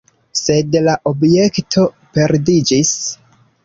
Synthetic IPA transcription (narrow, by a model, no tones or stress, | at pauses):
se̞dlaʔobje̞ktʰo̞ | pe̞ɾdid͡ʒis